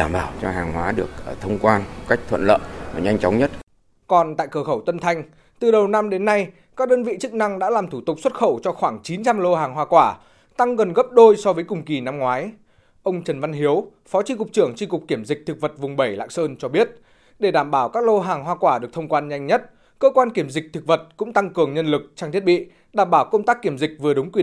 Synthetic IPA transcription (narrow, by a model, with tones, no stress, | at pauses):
aː˧˩mɓaː˧˩wt͡ɕɔ˧ɦaː˨˩ŋhwaː˨˦ɗɨ˨˩ək̚ːt̪ʰə˧wŋ͡mkwaː˧nm˨˩ka˦˥jk̚t̪ʰwə̰˧˨nlə̰ː˧˨vaː˨˩ɲa˧jŋ̟t͡ɕɔ˨˦wŋ͡mɲə˦˥t̚ | kɔ˨˩nt̪a̰ː˧˨jkəː˧˩xə˧˩wt̪ə˧nt̪ʰa˧jŋ̟ | t̪ɨ˨˩ɗə˨˩wna˧mɗe˨˦nːa˧j | kaː˦˥k̚ɗəː˧nvḭ˧˨t͡ɕɨ˦˥k̚na˧ŋɗa̰ː˧˥laː˨˩mt̪ʰu˧˩t̪ʊ˨˩k͡p̚swə˦˥t̚xə̰˧˩wt͡ɕɔ˧xwaː˧˩ŋt͡ɕi˨˦nt͡ɕa˧mlo˧ɦaː˨˩ŋɦwaː˧˩kwaː˧˩ | t̪a˧ŋɣə˨˩nɣə˦˥p̚ɗo˧jsɔ˧vəː˨˦jkʊ˨˩ŋ͡mki˨˩na˧mŋwaː˨˦j | ʔə˧wŋ͡mt͡ɕə˨˩nva˧nɦi˨˦əw | fɔ˨˦t͡ɕi˧kʊ˨˩k͡p̚t͡ɕɨ˧˩əŋt͡ɕi˧kʊ˨˩k͡p̚ki˧˩əmzi˨˩k̚t̪ʰɨ˨˩k̚və˨˩t̚vʊ˨˩ŋ͡mɓə˧˩jla̰ː˧˨ŋsəː˧nt͡ɕɔ˧ɓi˦˥ət̚ | ɗe˧˩ɗaː˧˩mɓaː˧˩wkaː˦˥k̚lo˧ɦaː˨˩ŋɦwaː˧kwaː˧˩ɗɨ˨˩ək̚t̪ʰə˧wŋ͡mkwaː˧nɲa˧jŋ̟ɲə˦˥t̚ | kəː˧kwaː˧nki˧˩əmzï˨˩k̚t̪ʰɨ˨˩k̚və˨˩t̚kʊ̰˧˥ŋ͡mt̪a˧ŋkɨ˨˩əŋɲə˧nlɨ˨˩k̚t͡ɕaː˧ŋt̪ʰi˦˥t̚ɓḭ˧˨ | ɗaː˧˩mɓaː˧˩wkə˧wŋ͡mt̪aː˦˥kːi˧˩əmzï˨˩k̟̚vɨ˨˩əɗʊ˨˦ŋ͡mkwi˨